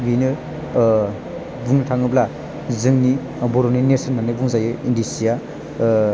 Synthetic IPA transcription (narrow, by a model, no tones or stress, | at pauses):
binɯ | buŋnɯtʰaŋɯbla | zɯŋni | bɔɾoninesɔnːanɯbuŋzajɯindisija